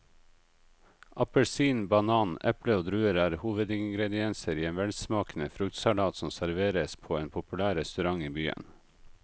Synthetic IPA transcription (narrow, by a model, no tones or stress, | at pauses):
ʔɑpəlsiːnbɑnɑːnɛpləoːd̪ɾʉːəɾæːɾhuːʋəd̪ɪŋɡɾɛd̪ɪɛnsəɾiːeːnʋɛlsmɑːkn̩əfɾʉkt̪sɑlɑːt̪sɔmsæɾʋeːɾəspʰoːeːnpʰʊpʉlæːɾɛst̪ʉɾɑŋiːbyːə̰n